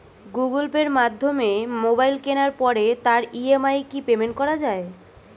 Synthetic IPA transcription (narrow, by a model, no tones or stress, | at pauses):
ɡuɡolpeɾmad̪ʱːomemobajlkenaɾpɔɾet̪aɾiemajkipemeɳʈ̚kɔɾad͡ʑae